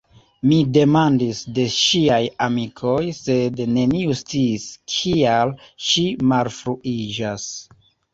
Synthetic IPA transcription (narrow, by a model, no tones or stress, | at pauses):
mide̞mandisde̞ʃiajamikʰo̞jse̞dne̞niust͡siːskʰialʃimalfɾuid͡ʒas